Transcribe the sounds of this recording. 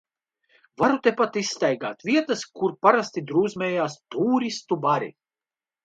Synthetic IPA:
vaɾut̪epat̪isːt̪ajɡaːt̪viɛt̪ɐskuɾpaɾast̪id̪ɾuːzmʲɛːjaːst̪uːɾist̪ubaɾḭ

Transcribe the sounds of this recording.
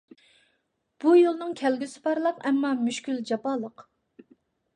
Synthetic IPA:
b̥ujolˠnɨŋkʲʰɛlɡʲysɪ̥pʰɑɾlˠɑqɛmːɑmyʃkʲyld͡ʒɑpɑːlˠəq

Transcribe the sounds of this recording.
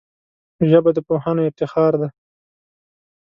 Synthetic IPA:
ʒəbad̪əpohanoɪft̪ɪxɑːɾd̪a

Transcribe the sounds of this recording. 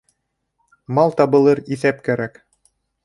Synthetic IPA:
mɑlˠt̪ɑbɤ̆lˠɤɾiθæp̚kæɾæk

